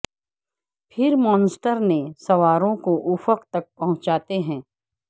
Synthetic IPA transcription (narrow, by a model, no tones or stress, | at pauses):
pʰɪɾmɔ̃ːnsʈəɾnesɐʋaːɾõkoʔʊfəqt̪ɐk̚pɐɦʊ̃t͡ʃaːt̪eɦɛ̃ː